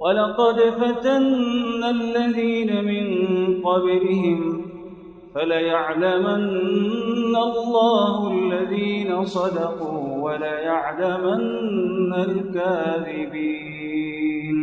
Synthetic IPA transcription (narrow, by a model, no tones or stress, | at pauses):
walɑqɑd̪fat̪anːalːaðiːnamɪnqɑblɪhɪm | falajaʕlamanː | alːɑːhʊʔalːaðiːnasˤɑd̪ɑquːwalajaʕlamanːalkaːðɪbiː | n